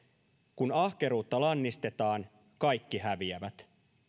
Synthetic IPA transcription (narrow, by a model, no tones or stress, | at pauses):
kunɑhke̞ɾuːt̪ːɑlɑnːist̪e̞t̪ɑːn | kɑjkːihæʋiæʋæt̪